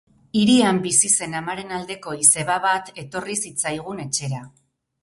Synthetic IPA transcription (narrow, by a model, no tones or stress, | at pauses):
iɾiambisise̞namaɾe̞nald̪e̞ko̞ise̞βaβat̪e̞t̪o̞risit͡sajɣ̞une̞t͡ʃe̞ɾa